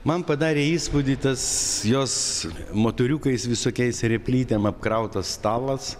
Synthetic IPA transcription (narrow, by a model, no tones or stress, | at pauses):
mɐnpɐd̪ɑːɾʲeːiːspʊd̪ʲit̪ɐsjoːs | moːt̪oːɾʲuːkɐɪsʋʲɪsoːkʲɛɪsɾʲɛpʲlʲiːt̪ʲɛmɐp̚kɾɐʊt̪ɐst̪ɑːlˠɐs